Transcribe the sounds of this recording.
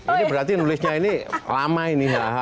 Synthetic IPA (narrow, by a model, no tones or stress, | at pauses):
inibəɾat̪inulɪsɲainila̰mainiɦaɦa